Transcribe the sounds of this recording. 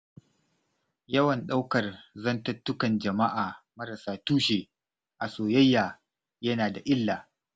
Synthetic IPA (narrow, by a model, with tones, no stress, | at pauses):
jɐ˦wɐ˨nɗa˦wkɐ˨rzɐ˦ntɐ˦tːʊ˦kɐ˨nd͡ʒɐ˨ma˦ʔaː˨mɐ˦ɾɐ˨saː˦tuː˦ʃeː˨ | ʔa˨soː˨jɐ˦jːaː˨ | jɐ˦naː˨da˨ʔɪ˦lːaː˨